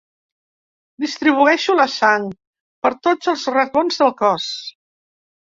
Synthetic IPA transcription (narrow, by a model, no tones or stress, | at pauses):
d̪ist̪ɾiβ̞uɛʃuləsant̪̚ | pəɾt̪od͡zəlˠzrət̪onzðəlˠkɔs